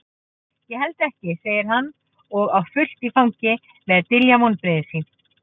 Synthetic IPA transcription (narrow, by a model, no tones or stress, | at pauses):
jɛhɛlt̪ɛhcɪseːjɪɾ̥ɦanː | ɔɣawfʏl̥t̪ifawɲcɪ | mɛðt̪ɪljamɔnpɾɪːðɪsin